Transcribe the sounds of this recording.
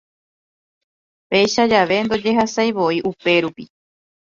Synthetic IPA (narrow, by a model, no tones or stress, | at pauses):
pe̞jʃad͡ʒaʋe̞nd̪o̞d͡ʒe̞ɦasajʋo̞iʔupe̞ɾupi